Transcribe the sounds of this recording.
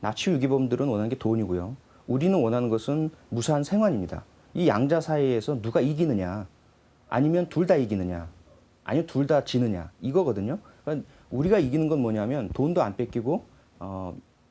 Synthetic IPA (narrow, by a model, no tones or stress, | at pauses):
nat͡ɕʰujuɡibʌmdɯɾɯnwʌnɦanɡe̞toɲiɡojo | uɾinɯnwʌnɦanɯnɡʌsʰɯnmusʰansʰe̞ŋɦwaɲimɲida̰ | ijaŋd͡ʑasʰaiesʰʌnuɡaiɡinɯɲa | a̰ɲimjʌntuɭdaiɡinɯɲa̰ | a̰ɲimjʌntuɭdat͡ɕinɯɲa̰iɡʌɡʌdɯɲoka | uɾiɡaiɡinɯnɡʌnmwʌɲaɦamjʌntondoa̰np͈e̞k͈iɡo | ʌ